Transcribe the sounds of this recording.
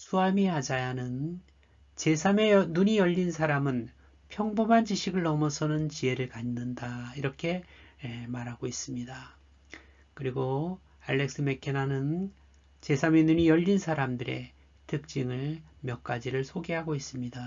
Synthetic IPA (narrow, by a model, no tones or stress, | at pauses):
sʰuamiad͡ʑajanɯn | t͡ɕe̞sʰamenuɲijʌʎːinsʰaɾamɯn | pʰjʌŋbomand͡ʑiɕʰiɡɯɭːʌmʌsʰʌnɯnt͡ɕie̞ɾɯɭkanːɯndaiɾʌkʰe̞ | maɾɦaɡois͈ɯmɲida | kɯɾiɡo | aɭːe̞k̚s͈ɯme̞kʰenanɯn | t͡ɕe̞sʰamenuɲijʌʎːinsʰaɾamdɯɾe̞̰ | tɯk̚t͡ɕ͈iŋɯɭmjʌk̚k͈ad͡ʑiɾɯɭsʰoɡeɦaɡois͈ɯmɲida